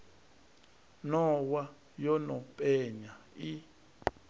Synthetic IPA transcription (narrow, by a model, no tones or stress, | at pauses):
nɔwa | jɔnɔpʼɛɲa | i